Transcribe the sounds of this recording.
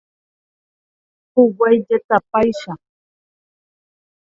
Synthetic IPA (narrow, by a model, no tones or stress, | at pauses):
kʊwajʎat̪apajʃaχ